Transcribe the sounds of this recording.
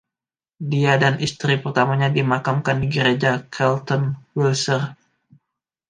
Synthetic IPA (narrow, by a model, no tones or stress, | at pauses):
diadanʔist̪ɾipərt̪amaɲadimakamkandiɡəɾed͡ʒakʰɛlt̪ɔnwilsər